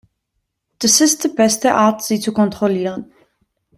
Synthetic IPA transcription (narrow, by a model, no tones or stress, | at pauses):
d̥əsɪstd̥əbɛstəʔaːtz̥iːt͡sukɔntʁoliːʁən